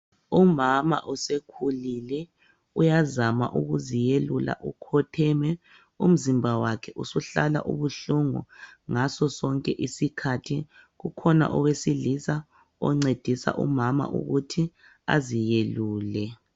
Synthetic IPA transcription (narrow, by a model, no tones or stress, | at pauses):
umama̰ʔusekʰulilɛ | ujazama̰ʔuɣuzijelula̰ʔukʰɔtʰɛːmɛ | um̩zimbʱawakʰɛʔusuɬala̰ʔṵβuɬuŋṵŋasɔsɔŋkʼɛʔisikʰatʰiɣukʰɔna̰ʔɔwesilisa | ɔ̰ŋ͡ǀed̥ʱisa̰ʔṵmama̰ʔṵɣutʰi | a̰zijeluːlɛ